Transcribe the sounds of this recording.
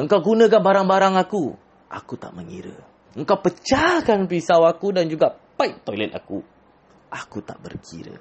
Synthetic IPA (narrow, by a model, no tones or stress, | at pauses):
əŋkawɡunə̃k̬anbaɾaŋbaɾaŋaku | ʔa̰kut̪a̰ʔməŋḭɾə̰ | əŋkawpət͡ʃakanpisawakudand͡ʒuɡapajk̚t̪ɔjlɛt̪̚a̰ku | ʔakut̪a̰ʔbə̰rkʰḭɾə̰